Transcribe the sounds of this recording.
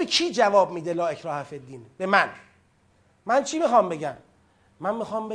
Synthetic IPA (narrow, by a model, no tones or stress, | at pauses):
bekʰiːd͡ʒævɒːb̚miːd̪elɒːecʰɾɒːhæfed̪iːnbe̞mæn | mænt͡ʃʰiːmixɒmbe̞ɟæmː | ænmixɒːmbe